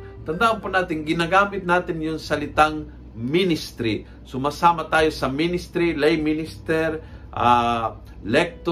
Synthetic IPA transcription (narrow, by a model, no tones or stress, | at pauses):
t̪ɐnd̪aʔanpʊnaːt̪ɪŋɡɪnaɡaːmɪt̪̚naːt̪ɪnjʊŋsɐlɪt̪aŋ | minɪst̪ɾi | sʊmaːsaːmat̪aːjosɐminɪst̪ɾilajminɪst̪ɛɾʔa | lɛk̚t̪o